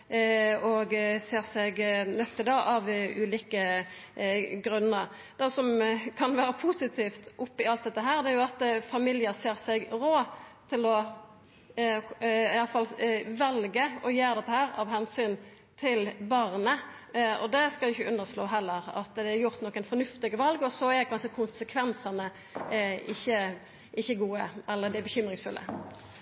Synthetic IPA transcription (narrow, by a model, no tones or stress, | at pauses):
ɔɡseːʁsɛɡnœt̪ʰːɪld̪ɑʔɑʋʉːliːkə | ɡɾʉnːəɾ | d̪̥ɛsɔmkʰɑnʋæːɾəpʰʊsɪt̪ʰiːft̪ʔʊpːɪɑlt̪̚d̪ɛt̪ːəɦæːʁd̪ɛæɾjʊɑt̪fɑmɪljəseːʁsɛɡɾoːt̪ʰɪlɔ | ɪɑlfɑlʋɛlɡəɔjeːʁd̪ɛt̪ːəhæːɾɑʋhɛnsyːn | t̪ʰɪlbɑʁnə | ɔ̰d̪ɛskɑɪɪçəʔʉnːəʁsloːɦɛlːəɾɑ̰t̪d̪ɛæɾjʊʁt̪nɔkːənfɔnʉft̪ɪɡəʋɑlɡɔsɔækʰɑnʂəkʰʊnsəkʰʋɛnsɑnə | ɪçːə | ɪçːəɡuːəɛlːəd̪ɪbəçʏmɾɪŋsfʉlʔə̰